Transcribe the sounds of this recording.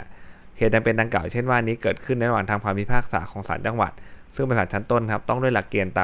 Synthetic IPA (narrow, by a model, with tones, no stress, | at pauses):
heː˨˩t̪̚t͡ɕa˧ŋpe˧nda˧ŋklaː˨˩wt͡ɕʰe˥˩nwaː˥˩ʔnːiː˦˥kɤː˨˩t̪̚kʰɯ˥˩na˧˥ɾwaː˨˩ŋt̪ʰaː˧ŋkʰaː˧mwi˦˥pʰaː˥˩k̚sa̰ː˩˦kʰɔː˩˦ŋsa̰ː˩˦nt͡ɕa˧ŋwa̰˨˩t̪̚sŋpa˧˩aː˨˩nt͡ɕʰnt̪o˥˩nkʰa˦˥p̚t̪ɔ˥˩ŋdu˥˩əjla˨˩kːeː˧nt̪aː˧